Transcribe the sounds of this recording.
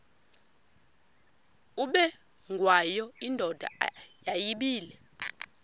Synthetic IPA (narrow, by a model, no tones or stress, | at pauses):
uɓɛ | ŋɡʱwajɔindʱɔd̥ʱa̰jajiɓiːlɛ